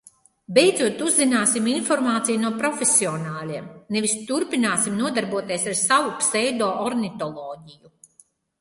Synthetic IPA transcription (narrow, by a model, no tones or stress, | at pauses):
bejd̪zuɔt̪uzːinaːsiminfɔɾmaːt̪sijunuɔpɾɔfesiɔnaːlʲiɛmnɛvist̪uɾpinaːsimnuɔd̪aɾbuɔt̪iɛsaɾsavupsɛjd̪ɔːʔɔɾnit̪ɔlˠɔːɟiju